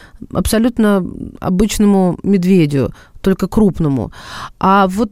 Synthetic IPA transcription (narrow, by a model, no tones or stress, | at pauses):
ɐ̰psɐlʲut̪nəɐ̰bɨt͡ɕnəmʊmʲɪd̪vʲedʲɪʊ̰ | t̪o̞lʲkəkɾupnəmʊ̰avot̪